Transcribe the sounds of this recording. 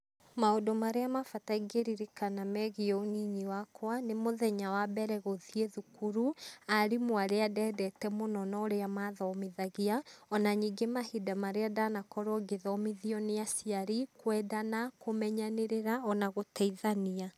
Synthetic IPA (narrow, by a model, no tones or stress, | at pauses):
maodomaɾeamafataiɡeɾiɾikanamɛɣiɔoniɲiwakwanemoðɛɲawabɛɾɛɣoðieðukuɾuaɾimoaɾeadɛdɛtɛmonɔnɔːɾeamaðɔmiðaɣiaɔnaɲiːɡemahidamaɾeadanakɔɾoɔɡeðɔmiðiɔneasiaɾikwɛːdanakomɛɲaneɾeɾaɔnaɣotaiðania